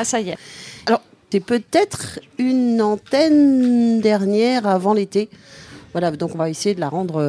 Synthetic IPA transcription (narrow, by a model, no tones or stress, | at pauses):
asajɛalɔʁ | t̪ɛpøt̪ɛt̪χynɑ̃t̪ɛnd̪ɛʁnjɛʁavɑ̃let̪evwalad̪ɔ̃kɔ̃vaesejed̪əlaʁɑ̃d̪ʁø